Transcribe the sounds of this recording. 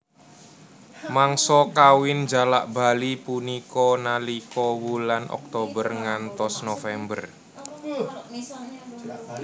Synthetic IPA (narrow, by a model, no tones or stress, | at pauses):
maŋsɔkawɪnd͡ʒalaʔb̥a̤lipunikɔnalikɔwulanʔɔ̰k̚t̪obərŋant̪ɔsnofɛmbə̰r